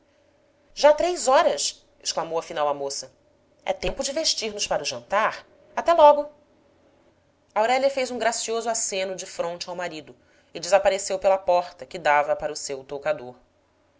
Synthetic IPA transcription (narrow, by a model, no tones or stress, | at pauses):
ʒat̪ɾejzɔɾɐs | ɪʃklamowɐfinawɐmosɐ | ɛ̰t̪ẽmpʊd͡ʒɪveʃt͡ʃiɾnʊspaɾʊʒɐ̃nt̪aɾ | at̪ɛlɔɡʊ | ɐawɾɛliɐfejzũɡɾasiozʊasẽnʊd͡ʒɪfɾõnt͡ʃɪawmaɾid̪ʊ | ɪd͡ʒɪzapaɾesewpelɐpɔɾt̪ɐkɪd̪avɐpaɾɐʊsewt̪okad̪oɾ